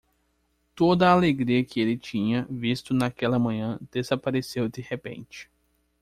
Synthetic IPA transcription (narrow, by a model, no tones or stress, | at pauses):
t̪od̪ɐːleɡɾiɐkɪelɪt͡ʃĩɲɐvist̪ʊnakɛlɐmɐ̃ɲɐ̃d̪̥ezapaɾesewd̪ehepḛ̃nt͡ʃɪ̥